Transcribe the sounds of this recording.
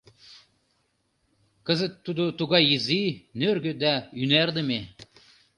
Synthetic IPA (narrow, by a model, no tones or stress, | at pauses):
kə̆zə̆t̪ːud̪ot̪uɣɑjizinørɡø̆d̪æynærd̪ə̆me